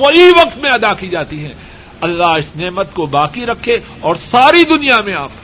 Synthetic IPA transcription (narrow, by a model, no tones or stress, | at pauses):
ʋɐɦiʋɐqt̪mẽɐd̪akid͡ʒaːt̪iɦɛ̃ː | ɐlːaɦɪsneːmət̪kobaːkiɾɐkʰːẽ | ɔːɾsaːɾid̪ʊnijamẽaːp